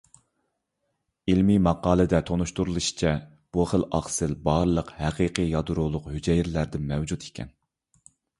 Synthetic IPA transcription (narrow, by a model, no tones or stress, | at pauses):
ilmimɑqɑːlˠɨd̪ɛt̪ʰonuʃt̪uɾulˠɨʃi̥t͡ʃʰɛ | b̥uχəlˠɑ̰χsɨlbɑɾlˠəqhæqiqijɑd̪uɾulˠʊqhyd͡ʒɛjiɾlæɾd̪ɪnmɛwd͡ʒut̪ʰi̥kʲʰɛ̰n